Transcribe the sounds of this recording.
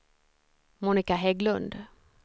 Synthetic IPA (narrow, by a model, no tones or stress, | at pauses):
muːnɪkaɦɛɡlɵnd̪